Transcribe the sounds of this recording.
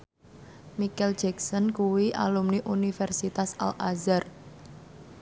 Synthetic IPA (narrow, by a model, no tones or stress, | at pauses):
mikɛl̥d͡ʒɛksɔnkuwiʔa̰lumniʔunifɛrsit̪asa̰lʔazar